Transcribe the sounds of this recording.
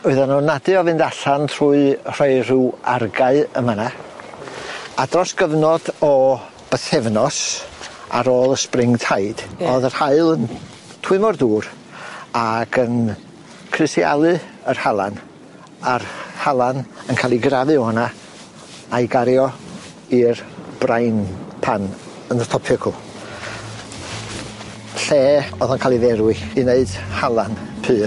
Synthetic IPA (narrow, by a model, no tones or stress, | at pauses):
ʊɨðanunadɨɔvɨndaɬanʰr̥uɨr̥eɨruarɡaɨəmana | adrɔsɡ̥əvnɔdɔ | b̥əθɛvnɔs | a̰ɾoːlˠəsprɪŋtʰaɨd̥ɔðərhaɨlˠən | tʰw̥ʊmɔrduːɾ | aɡən | kʰrɨstia̰lˠɨərhalˠan | arhalˠanənkʰaːlˠiɡravɨɔna | ajɡaɾjɔ | irb̥rajnpʰan | ənətʰɔpʰɪkʰʊ | ɬeːɔðənkʰaːlˠiðɛɾwɨineɨd̥halˠanpʰɨː